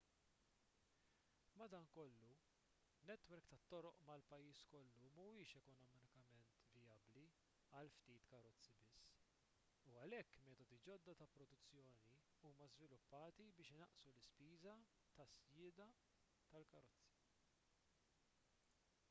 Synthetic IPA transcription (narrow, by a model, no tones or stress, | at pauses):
mɐd̪ɐːnkɔlːu | nɛt̪wɛɾkt̪ɐt̪ːɔɾɔʔmɐlpɐjːiːskɔlːummuɪːʃɛkɔnɔmɪnɪkɐmɛnt̪vɪjɐbli | ɐlft̪iːt̪kɐɾɔt͡sːibɪsː | uɐlɛkːmɛːt̪ɔd̪id͡ʒɔd̪ːɐt̪ɐpɾɔd̪ʊt͡sːjɔːni | uːmɐzvɪlʊpːɐːt̪ibɪːʃɪnɐʔsulɪspiːzɐ | t̪ɐsjɪːd̪ɐ | t̪ɐlkɐɾɔt͡sːi̥